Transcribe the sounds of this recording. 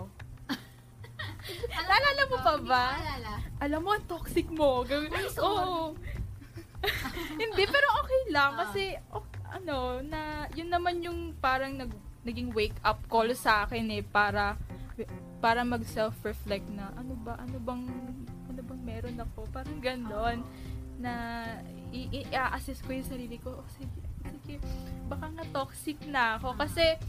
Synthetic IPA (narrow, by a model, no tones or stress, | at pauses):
nɐʔɐlaːlɐmːopɐba | ʔɐlamːoʔɐŋt̪oksɪk̚moɡɐʔo | hɪnd̪ɛpɛːɾo̞ʔoːkɛjlɐŋkɐsɛʔoʔɐ̰no̞nɐjʊnːɐmanjʊŋpaːɾɐŋnɐɡ̚nɐɡɪŋwejkʔɐp̚koːlsɐʔaːkɪnɛpaːɾɐ | paːɾɐmɐɡsɛlfɹɛflɛk̚t̪nɐʔɐnobɐʔɐnobɐŋ | ʔɐnobɐŋmɛːɾo̞nɐko̞paːɾɐŋɡɐno̞nː | ɐ | iʔɪʔɪʔaʔɐsɛst̪̚ko̞jʊŋsɐɾiːlɪko̞ʔosiɡɛsiɡɛbɐkaŋɐt̪oksɪk̚nɐʔɐko̞kɐsɛ